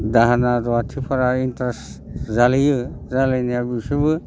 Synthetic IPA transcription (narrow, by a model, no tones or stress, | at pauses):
d̪aɦanaɾɔat̪ʰipʰaɾaintɾeszalijɯzalenijabisubɯ